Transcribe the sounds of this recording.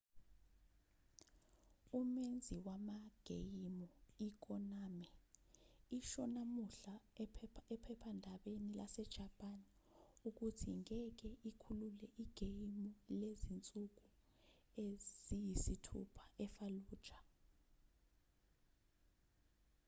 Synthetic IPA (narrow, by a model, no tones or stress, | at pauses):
umend͡zʱiwamaɡ̥ʱḛjimɔik̬ɔnaːmɛ | iʃɔnamuɬa | ɛpʰɛpʰandʱaɓenilasɛd̥ʒ̥ʱapʼan | uk̬utʰḭŋɛk̬ɛʔikʰululɛʔiɡ̥ʱejimɔlezint͡sʼuk̬u | ez̥ijisitʰṵpʰḁʔɛfaluːd̥ʒ̥ʰʱḁ